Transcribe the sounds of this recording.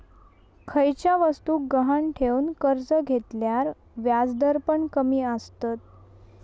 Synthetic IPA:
kʰəjt͡ɕjaʋəst̪uːk̚ɡəɦanʈʰewnkəɾd͡zəɡʱet̪ljaɾ | ʋjad͡zd̪əɾpəɳkəmiːəst̪ət̪̚

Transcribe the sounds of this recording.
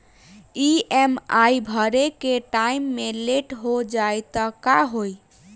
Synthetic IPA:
iemajbʱəɾekeʈaimːeleʈɦod͡ʒaet̪ɔkaɦoj

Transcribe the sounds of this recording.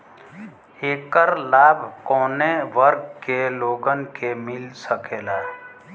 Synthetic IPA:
eːkəɾlaːbʱkɔːneʋəɾɡkeloːɡənkemɪlsəkeːlaː

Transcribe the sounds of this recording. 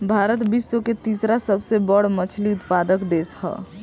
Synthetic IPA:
bʱaːɾət̪bisːoket̪iːsɾasəbsebəɽmət͡ʃʰliʊt̪pad̪əkd̪eːshɛ̰

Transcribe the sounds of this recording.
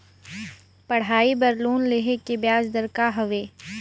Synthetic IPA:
pɐɽ̤aːibɐɾluːnleɦekebjaːzd̪ɐɾkaɦɐʋeː

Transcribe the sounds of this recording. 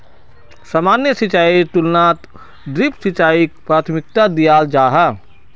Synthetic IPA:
samaːnjəsit͡ʃaːit̪ʊlnaːt̪ | d̪ɾipsit͡ʃaːikpɾaːt̪ʰmɪk̚t̪ad̪ijaːld͡ʒaːɦa

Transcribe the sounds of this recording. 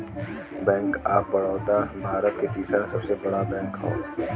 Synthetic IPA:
bɛ̃ːŋkaːpːɐɽ̤ɔːt̪abʱaːɾət̪ket̪iːsɾasɐbsebɐɽabɛ̃ːŋkɦo̰ː

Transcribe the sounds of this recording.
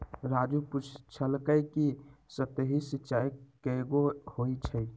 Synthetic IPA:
ɾad͡ʒuput͡ʃʰt͡ʃʰəlkəjkisət̪eɦisitːt͡ʃajkəɡohoit͡ʃʰə

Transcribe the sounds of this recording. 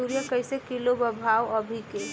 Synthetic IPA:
uɾjəkəjsekilobəbʱawəbʱike

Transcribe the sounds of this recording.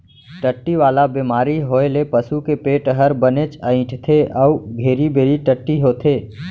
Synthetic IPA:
ʈəʈːiʋaːlabiːmaːɾiɦoːelepəsukepeːʈɦəɾbənet͡ʃəɪ̃ʈʰt̪ʰeʔɔuɡʱeːɾibeːɾiʈəʈːiɦot̪ʰeː

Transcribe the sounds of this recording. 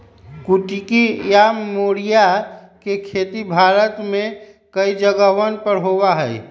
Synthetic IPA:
kuʈikijamoːɽija | kekʰeːt̪ibʱaːɾət̪mẽ | kəid͡ʒəɡəʋənpəɾɦowaɦɛi

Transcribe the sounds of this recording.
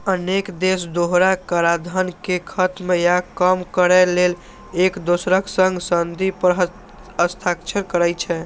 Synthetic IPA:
ənekd̪esd̪oɦɾakəɾad̪ʱənkekʰət̪mjakəmkəɾɛlel | ekd̪osɾəksə̃ŋɡsənd̪ipəɾɦ | əst̪ʰakt͡ʃʰəɾkəɾɛt͡ʃʰɛ

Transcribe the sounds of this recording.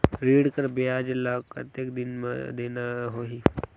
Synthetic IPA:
ɾiːɽkəɾbeaːd͡ʒlaːkka̰t̪ekd̪ɪnmḛd̪eːnaɦoɦi

